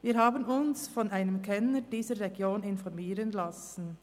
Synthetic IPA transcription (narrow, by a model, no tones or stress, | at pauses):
viːɾɦaːbənʊnsfɔnʔaɪnəmkʰɛnəd̥iːzəʁeɡjoːnɪnfɔɾmiːʁənlas | n̩